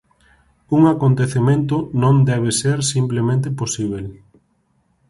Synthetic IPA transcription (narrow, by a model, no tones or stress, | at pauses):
uŋakont̪eθemẽnt̪̬ʊnõnd̪ɛβ̞eseɾsimplemẽnt̪̬eposiβ̞el